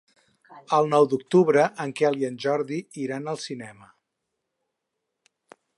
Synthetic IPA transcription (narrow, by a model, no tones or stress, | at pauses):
əlˠnɔwd̪uk̚t̪uβɾəʔəŋkɛliənʲʒɔɾðiiɾanəlˠsinɛmə